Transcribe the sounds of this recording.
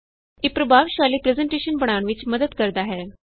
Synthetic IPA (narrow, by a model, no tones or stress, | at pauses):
eːpɾəbʱaːʋʃaːliːpɾezəɳʈeːʃənbəɽ̃aːɳʋɪt͡ʃməd̪əd̪kəɾd̪aːɦɛː